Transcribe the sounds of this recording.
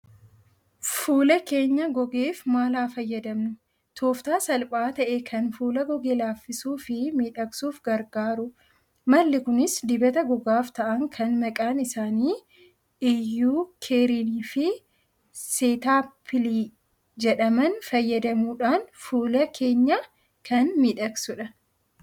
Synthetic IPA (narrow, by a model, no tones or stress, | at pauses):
fuːlɐke̞ːɲːɐɡɔɡe̞ːfmaːlaːfɐjːɐd̪ɐmnʊ | t̪ʰoːft̪aːsɐlpʼaːt̪ɐʔeːkʰɐnfuːlɐɡɔɡe̞ːlaːfːɪsuːfɪmiːᶑɐksuːfɡɐɾɡaːɾʊ | mɐlːɪkʊnɪsd̪ɪbɐt̪ɐɡɔɡaːft̪ɐʔɐŋkʰɐnmɐkʼaːnɪsaːniː | ʔɪjːuːkʰeːɾiniːfɪ | seːt̪aːpʰɪliː | d͡ʒɛᶑɐmɐnfɐjːɐd̪ɐmuːᶑaːnfuːlɐkʰe̞ːɲːɐ | kʰɐnmiːᶑɐksʊᶑɐ